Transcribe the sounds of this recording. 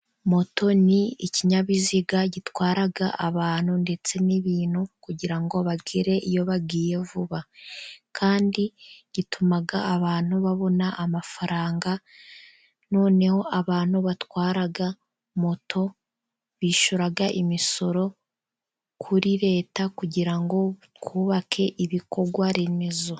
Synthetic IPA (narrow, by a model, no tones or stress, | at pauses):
mo̞tʰo̞niiciɲaβiziɡaɟitwaːɾaɡaʔaβaːn̥unde̞t͡se̞niβiːnukuɟiɾaŋɡo̞βaɡiɾe̞ʔijo̞βaɡiːje̞vuβakʰaːndiɟ̥itumaɡaːβaːn̥huβaβo̞naʔːmafaɾaːŋɡa | no̞ːne̞ho̞aβaːn̥huβatwaːɾaɡa | motʰo̞ | βiːʃuɾaɡaʔimiso̞ɾo̞ | kʰuɾiɾe̞ːtakuɟiɾaŋɡo̞tkuːβakʰe̞ʔiβiko̞ɾɡwaɾe̞me̞zo̞